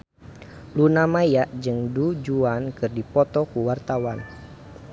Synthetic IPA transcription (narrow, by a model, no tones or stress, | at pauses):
lunamajaʔd͡ʒɨŋdud͡ʒuankɨrdipɔt̪ɔkuwart̪awan